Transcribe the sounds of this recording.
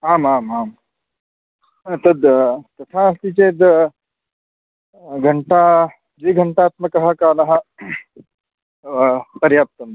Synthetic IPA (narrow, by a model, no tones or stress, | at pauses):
ɦaːmɦaːmɦaːm | t̪ɐd̪t̪ɐt̪ʰãɐst̪it͡ʃeːd̪ | ɡʱɐɳʈa | d͡ʒiːɡʱɐɳʈaːt̪mɐkɐɦakaːnɐɦɐ | pɐɾjaːp̚t̪ɐn